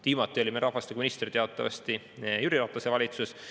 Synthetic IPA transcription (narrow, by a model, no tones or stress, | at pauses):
t̪iːmɑt̪ˑːio̞lʲimeɾɑɦvɑst̪ikuminist̪rt̪eɑt̪ːˑɑvɑ̰st̪i | jyɾiɾɑːt̪lɑse̞vɑlʲit̪sus